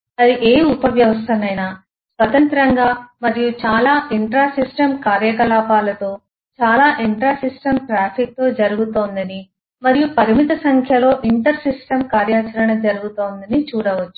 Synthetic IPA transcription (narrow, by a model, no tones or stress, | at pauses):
ɐɾiʔe̞ːupɐʋjɐʋɐst̪ʰɐnːɐjnaː | sʋɐt̪ɐnt̪ɾɐŋɡaːmɐɾijut͡ʃaːlaːʔiɳʈɾaːsisʈɐmkaːɾjɐkɐlaːpaːlɐt̪o̞ː | t͡ʃaːlaːʔiɳʈɾaːsisʈɐmʈɾaːpʰik̚t̪o̞ːd͡ʒɐɾuɡut̪o̞ːnd̪ɐni | mɐɾijupɐɾimit̪ɐsɐŋkʰjɐlo̞ːʔiɳʈɐɾsisʈɐmkaːɾjaːt͡ʃɐɾɐɳɐd͡ʒɐɾuɡut̪oːnd̪ɐnit͡ʃuːɽɐʋɐt͡ʃːu̥